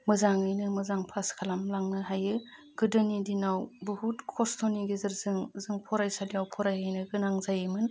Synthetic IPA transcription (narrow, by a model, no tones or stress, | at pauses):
mɯzaŋɯjnɯmɯzaŋpʰaskʰalamlaŋnɯɦajɯ | ɡ̥ɯdɯnidinawbɯhutkʰɔstʰoniɡizɯɾzɯŋzɯŋpʰɔɾajsadiawpʰɔɾajajnɯɡɯnaŋzajɯmɯn